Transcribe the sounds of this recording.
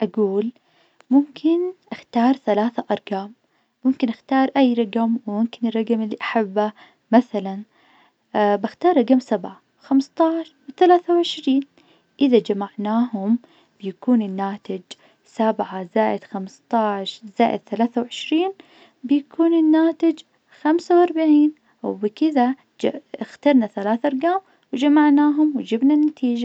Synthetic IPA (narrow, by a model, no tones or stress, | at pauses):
ʔaɡuːl | mʊmkʰɪnʔaxt̪ɑːɾˤθalaːθaʔɑɾˤɡaːm | mʊmkɪnʔaxt̪ɑːɾˤʔajːɾˤɑɡamwɪmʊmkɪnɪrˤːɑɡamɪlːiʔaħabːa | maθalan | baxt̪ɑːɾˤɾˤɑɡamsabʕa | xamst̪ˤɑːʕʃwɪθalaːθawʕɪʃɾiːn | ʔɪðad͡ʒamaʕnaːɦʊm | b̥ɪjakuːnɪnːaːt̪ɪd͡ʒ | sabʕazaːʔɪd̪̥xamst̪ˤɑːʕʃzaːʔɪ̰d̪̚θalaːθawʕɪʃɾiːn | bɪjakʰuːnɪnːaːt̪ɪd͡ʒ | xamsawʔɑɾˤbaʕiːn | wbɪkɪða | xt̪ɑɾˤnaθalaːθʔɑɾˤɡaːm | wɪd͡ʒamaʕnaːɦʊmwɪd͡ʒɪbnanːat̪ʰiːd͡ʒa